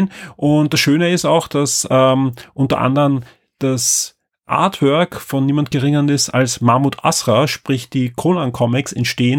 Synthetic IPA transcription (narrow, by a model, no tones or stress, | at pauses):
nʔʊnt̚d̥asʃøːnəɪstaʊxd̥asɛːmʔʊntɐ̰ʔa̰ndəʁən | d̥as | ʔa̰ɐtʰvœɐkfɔnːiːmant̚ɡ̥əʁɪŋənɪstalsmaɐmuːtʰʔa̰sʁaʃpʁ̥ɪçd̥iːkʰoːlankʰɔmɪksɛ̰ntʃteːən